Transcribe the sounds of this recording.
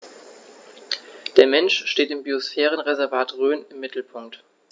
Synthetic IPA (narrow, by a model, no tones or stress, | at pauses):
d̥eːɐmɛnʃʃteːtɪmbiosfɛːʁ̞ənʁezɛɐvaːtʁøːnɪmːɪtl̩pʰʊŋk̚t